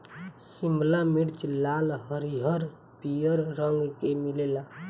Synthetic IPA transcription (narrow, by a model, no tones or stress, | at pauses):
simblamiɽt͡ʃlalɦəɾiɦəɾ | pijəɾːəŋɡkemilela